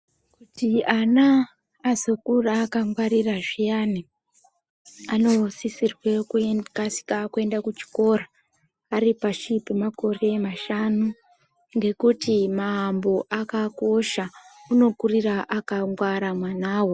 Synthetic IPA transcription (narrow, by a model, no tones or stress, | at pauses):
kutianaː | zo̞kuraːkaŋɡwaɾiraʐijani | ano̞sisirwe̞kkasi̥kakue̞ndakut͡ʃi̥ko̞raː | ripaʃipimako̞re̞maʃanu | ŋɡe̞kutimaːmbo̞ʔakako̞ʃauno̞kuriraʔakaŋɡwaɾamwanaːwo̞